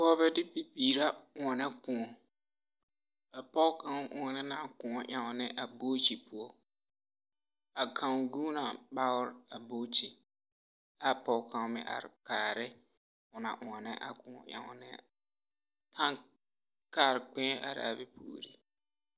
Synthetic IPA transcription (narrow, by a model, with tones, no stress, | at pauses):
pɔː˦bɛ˦dɪ˦pi˨piː˨ɾa˦ʊ˨ŋɔ˨nɛ˦kʊ̃˨ŋɔ˨ | a˨pɔ˦kã˦ŋʔʊ˨ŋɔ˨nɛ˦na˨kʊ̃˨ŋɔ˨ʔa˨ŋɔ˨nɛ˦ʔa˨boː˦t͡ʃi˨pʊ˨ɔ˦ | a˨kʰã˨ŋɡu˦na˨ba˦ʊ˦ɾa˨bo˦t͡ʃi˨ | a˦pɔ˨˦kã˨ŋ˦mɪ̰˨ʔa̰˨ɾɪ˨kaː˨ɾɪ˦ | ʊ˨na̰˨ʔʊ˨ɔ˨nɛ˦ʔa̰˨kʊ̃˨ŋɔ̰˨ʔa̰˨ŋɔ̰˨nɛ̰˦ | kʰã˦ŋ | kaː˦˨ɾɪ˨k͡pɛ̃˦ʔa̰˨ɾɪ̰˨a̰˨bɛ˦pʰṵː˨ɾḭ˦